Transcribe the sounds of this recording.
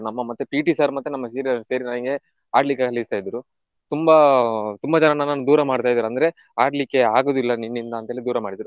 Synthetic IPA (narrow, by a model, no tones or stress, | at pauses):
nɐmːɐmɐt̪ːupiːʈisaːɾumɐt̪ːunɐmːɐseːɾiase̞ːɾinaːnɡe̞ | a̰ːɖlikːekʰɐlist̪aːjd̪ɾu | t̪umbɐt̪umbɐd͡ʒɐnɐnanaːnud̪uːɾɐmaːɽt̪aːjd̪ɐɾuɐnd̪ɐɾe̞ | aːɖlikːe̞aːɡoːd̪ilːɐninːind̪ɐːnt̪ɐeːlid̪uːɾɐmaːɽid̪ɾu